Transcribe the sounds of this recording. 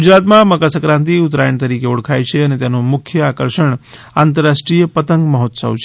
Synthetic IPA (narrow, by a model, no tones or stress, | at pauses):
ɡud͡ʒɾat̪mãməkasəkɾãnt̪iut̪ɾajəɳt̪əɾikeuɽ̤kʰajt͡ʃʰeənet̪janomʊkʰjəakəɾʃəɳ | ant̪əɾːaʃʈɾijəpət̪əŋɡməɦot̪sə̰wt͡ʃʰe̥